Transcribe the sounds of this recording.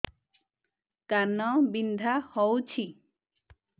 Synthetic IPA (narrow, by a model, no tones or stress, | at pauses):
kanɔbind̪ʱahɔwt͡ʃʰi